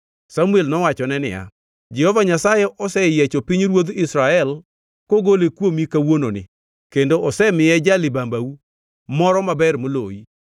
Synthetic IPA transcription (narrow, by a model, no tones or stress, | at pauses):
samuelnɔwat͡ʃɔnɛnɪ̰ja̰ | d͡ʒɛhɔvaɲasajɛʔɔsɛjɛt͡ʃopiɲɾwod̪ɪsɾaɛl | koɡolekwomikawononɪ̰ | kendoʔɔsɛmɪjɛd͡ʒalɪbambawu | mɔɾɔmabɛrmolo̰i